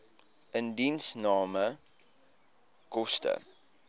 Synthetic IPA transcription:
əndinsnɑːmə | kɔstə̰

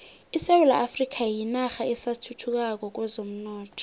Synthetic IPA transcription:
isɛwula̰ʔafrik̬ʰʼajinaxaɛsatʰutʰuk̬ʼak̬ɔk̬wɛzom̩nɔːtʰɔ̥

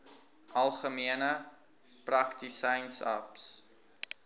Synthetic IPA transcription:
ʔɐlˠχəmiənə | prɐktisɐjnsɐ̰ps

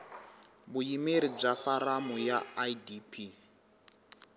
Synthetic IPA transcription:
bujimeɾib͡ʐafaɾamujaidipʰi

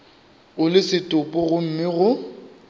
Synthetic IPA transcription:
ʊlɪsɪtʼʊpʼʊɣʊm̩mɪɣʊ

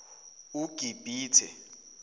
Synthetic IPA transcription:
uɡ̥ʱib̥ʱiːtʰɛ̰

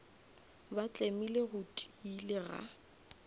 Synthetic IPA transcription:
bat͡ɬʼemileɣʊtʼiilɪɣa̰

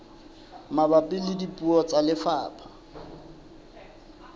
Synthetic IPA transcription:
mabapʼɪlɪdipʼuɔt͡sʼalɪfaːpʰa

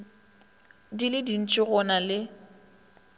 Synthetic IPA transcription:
dilɪdin̩t͡ʃʼɪɣʊnalɪ

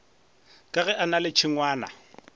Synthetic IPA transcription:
kʼaɣɛʔanalɪt͡ʃʰɪŋwaːna̰

